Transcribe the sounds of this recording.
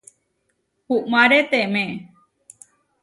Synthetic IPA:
huʔmaɾet̪emẽ

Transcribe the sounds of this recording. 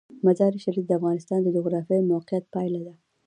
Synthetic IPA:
mazɑɾiʃaɾifd̪əafɣɑnɪst̪ɑnd̪əd͡ʒʊɣɾɑfjɑjmawqijat̪̚pɑjlad̪a

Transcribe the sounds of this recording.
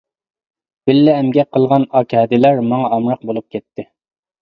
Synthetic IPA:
b̥ɪlːɪɛmɡʲɛqʰəlˠʁɑnɑːkʲʰɛːd̪ɪlæɾmɑŋɑɑmɾɑq̚bolˠup̚kʲʰɛt̪ːɪ

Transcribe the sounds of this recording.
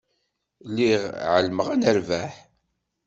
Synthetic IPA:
lːiʁʕəlməʁænəɾvæħ

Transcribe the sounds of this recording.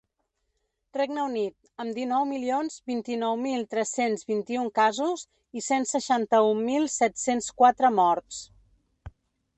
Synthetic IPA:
reɡnəunit̪̚ | əmd̪inɔwmilionzbint̪inɔwmilˠt̪ɾɛsenzβint̪iuŋkazuz | isensəʃant̪əumːilˠsɛt̪senskwat̪ɾəmɔɾt̪s

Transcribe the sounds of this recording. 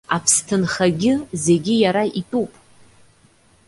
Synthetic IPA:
apʰstʰɨnχaɡʲɪze̞ɡʲɪjaɾaʔitʼupʼ

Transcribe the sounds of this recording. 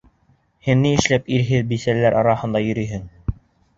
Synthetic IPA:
hɘnːiɘ̆ʃlæpiɾɦɘðbisælːæɾʔɑɾɑhɤ̆nd̪ɑjɵ̆ɾyjɦɘŋ

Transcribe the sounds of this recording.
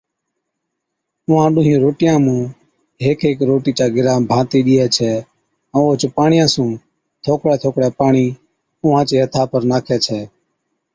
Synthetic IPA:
ʊːãːɗʊːɦĩːɾoːʈɪjãːmũː | ɦeːkeːkɾoːʈiːt͡ʃaːɡɪɾaːmbʱãːt̪eːɗɪːɛːt͡ʃʰɛ̃ː | oːt͡ʃpaːɳɪjãːsũː | t̪ʰoːkɽɛːt̪ʰoːkɽɛːpaːɳiː | ʊːãːt͡ʃeːɦət̪ʰaːpəɾnaːkʰɛːt͡ʃʰɛː

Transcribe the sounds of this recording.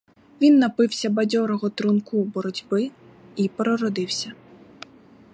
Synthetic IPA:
ʋʲinːɐpɪwsʲɐbɐdʲɔɾɔɦɔt̪ɾʊnkubɔɾɔdʲbɪipɾɔɾɔd̪ɪwsʲɐ

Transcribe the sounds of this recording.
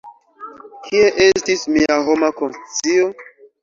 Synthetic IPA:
kʰie̞ʔe̞stismiaɦomakonst͡sio

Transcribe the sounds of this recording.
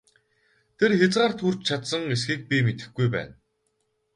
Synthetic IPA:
t̪ʰerxet͡sɢaːrt̪ʰuːr̥t͡ɕt͡ɕʰat̪sə̆ŋesxiːk̚pʲimet̪ɘ̆xɡujpæ̰ːn

